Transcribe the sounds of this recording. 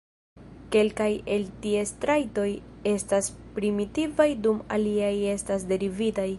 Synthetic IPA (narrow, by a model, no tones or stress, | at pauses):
ke̞lkaje̞ltie̞stɾajto̞je̞staspɾimitivajduma̰liaje̞stasde̞ɾivitaj